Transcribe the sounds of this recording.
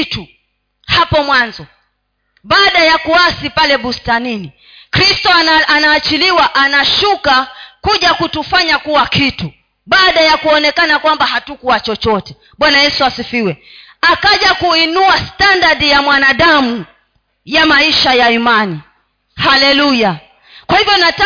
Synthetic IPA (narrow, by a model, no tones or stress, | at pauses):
tu | hapɔmwanzɔ | ɓaːɗajakuasipalɛɓustanini | kɾistɔʔanaːt͡ʃiliwaʔanaʃukakuʄakutufaɲakuwakitu | ɓaːɗajakuɔnɛkanakwambahatukuat͡ʃɔt͡ʃɔtɛ | ɓwanajɛsuasifiwɛ | akaʄakuinuastandadijamwanaɗamu | jamaiʃajaimani | halɛluja | kwahivjɔnata